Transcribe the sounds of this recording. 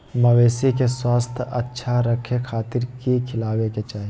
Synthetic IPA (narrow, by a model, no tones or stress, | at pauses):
mɐʋeːsekeswaːst̪ʰɐtːʃʰaɾəkʰekʰaːt̪ɪɾkikʰɪlaːweket͡ʃaːɦi